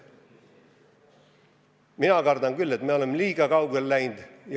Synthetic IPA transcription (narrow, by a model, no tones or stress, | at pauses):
minɑkɑrd̪ɑŋkylːe̞t̪meo̞lemːliːɡ̥ɑkɑwɡelːæjnd̪̥j